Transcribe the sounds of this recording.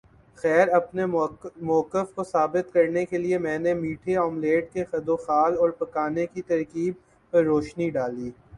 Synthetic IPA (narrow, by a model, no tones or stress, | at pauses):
xɛːɾɐpnemʊːəkːəfkosaːbɪt̪kɐɾnekeliemɛ̃ːnemiːʈʰeɔːmleːʈ̚kexɐd̪oːxaːlɔːɾpɐkaːnekit̪ɐɾkiːb̚ | pɐɾːoːʃniɖaːliː